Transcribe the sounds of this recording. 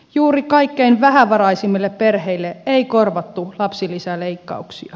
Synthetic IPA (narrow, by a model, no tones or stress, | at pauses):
juːrikɑikːeinʋæɦæʋɑɾɑisimːilːepperheilːeʔeikorʋɑt̪ːulɑpsilːisæleikːɑ̰uksḭɑ